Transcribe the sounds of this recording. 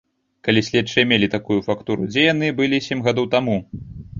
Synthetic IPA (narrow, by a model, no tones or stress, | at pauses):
kalʲisʲlʲɛtt͡ʂːɨjɐmʲelʲit̪akujufakt̪uɾṵd͡zʲɛjanɨbɨlʲisʲemʲɣad̪owt̪amu